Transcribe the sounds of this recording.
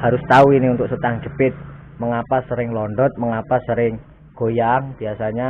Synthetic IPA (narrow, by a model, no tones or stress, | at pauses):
haɾʊst̪auinɪunt̪ʊksət̪aŋd͡ʒəpɪt̪̚ | məŋapasəɾɪŋlɔɳɖɔt̪̚məŋapasəɾɪŋ | ɡ̥o̤jaŋb̥i̤asaɲa